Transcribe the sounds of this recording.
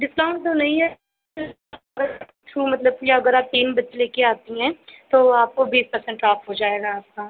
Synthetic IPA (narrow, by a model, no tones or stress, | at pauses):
ɖɪslɔ̃ːʊ̃ɳʈt̪onɐɦĩɦɛ | ɡəɾ | t͡ʃʰuːmɐt̪ləb̚jaɐɡəɾaːp̚t̪iːnbɐtːʃeleːkeaːt̪iɦɛ̃ːt̪oːaːp̚kobiːspɐɾsɛ̃ɳʈaːpɦoːd͡ʒaːeːɡaːp̚kaː